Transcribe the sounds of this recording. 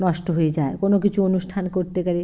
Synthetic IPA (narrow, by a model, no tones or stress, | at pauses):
nɔʃʈoɦoed͡ʑaekonokit͡ɕʰuonuʃʈʰankoɾt̪ekaɾe